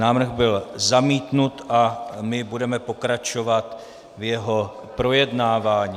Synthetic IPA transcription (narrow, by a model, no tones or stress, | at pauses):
naːvr̩ɣbɪlzamiːt̪nut̪ʔamɪbudɛmɛpo̞kɾat͡ʃo̞vat̪ | vjɛɦo̞ | pɾo̞jɛdnaːvaːɲi